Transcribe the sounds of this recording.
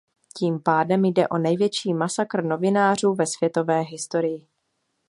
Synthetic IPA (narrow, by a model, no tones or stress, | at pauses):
ciːmpaːdɛmjdɛʔo̞nɛjvjɛt͡ʃiːmasakr̩no̞vɪnaːr̝uːvɛsv̥jɛt̪o̞vɛːɦɪst̪o̞ɾɪjɪ